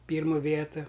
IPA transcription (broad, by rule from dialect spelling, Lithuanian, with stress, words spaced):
ˈpʲiːrmʊ ˈʋʲiɛtʊ